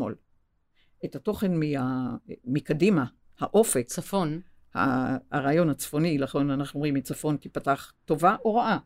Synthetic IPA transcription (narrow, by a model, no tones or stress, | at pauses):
o̰l | ethato̞χe̞nmiamikadima | haʔo̞fekafon | ha̰aʁaːjo̞nhat͡sfo̞nilaχonanaχnuomimit͡safo̞ntipataχto̞vaʔoʁaʔa